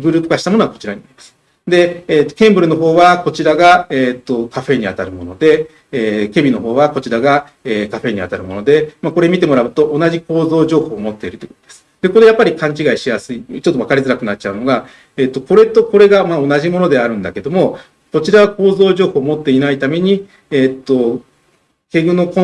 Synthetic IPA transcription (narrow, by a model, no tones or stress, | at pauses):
ɡɯɾɯːpɯ̟̥kaɕi̥t̪amo̞noako̞̥t͡ɕiɾaɲ̟inaɾi̥masɨ̥ | d̪e̞eːt̪ːo̥kẽ̞mbɯ̟ɾɯ̟no̞ɦo̞ːβako̞t͡ɕiɾaɡaet̪ːo̞kaɸe̞ɲ̟ia̰t̪aɾɯ̟mo̞no̞d̪e̞ː | ke̞bʲino̞ɦo̞ːβako̞t͡ɕiɾaɡa | eːkaɸe̞ːɲ̟ia̰t̪aɾɯ̟mo̞nod̪e̞mako̞ɾe̞mʲit̪e̞mo̞ɾaɯ̟t̪o̞ʔːnaʑiko̞ːzo̞ːʑo̞ːho̞ːmo̞t̪ːe̞iɾɯ̟t̪oei̥ko̥t̪d̪esɨ̥d̪̥e̞ko̞ɾejapːaɾʲikãɲ̟t͡ɕiɡaiɕijasɨit͡ɕot̪ːo̞βakaɾʲizɨɾakɯ̟natt͡ɕaɯ̟no̞ɡa | eːt̪ːo̞ko̞ɾe̞t̪o̞ko̞ɾe̞ɡamao̞naʑimo̞no̞d̪e̞aɾɯ̟̃nd̪ake̞d̪o̞mo̞ | ko̞t͡ɕiɾaβako̞ːzo̞ːʑo̞ːho̞ːmo̞t̪ːe̞inait̪ame̞ɲ̟i | et̪ːo̞ | ke̞ɡɯ̟no̞ko